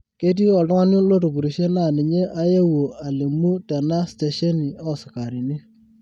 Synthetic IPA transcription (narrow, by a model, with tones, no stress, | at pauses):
ke˦t̬i˦ɔ˨tɔ˦ŋa˦n˦u˦lo˦tu˨p̬u˨ɾi˨ʃe˦na˦˨nɪ˨ɲe˦ʔa˦je˦wo˨a˨le˨mu˦ta˨na˦ste˨ʃɔ˦ni˨ɔ˦˨sɪ˨ka˨ɾi˨ni˦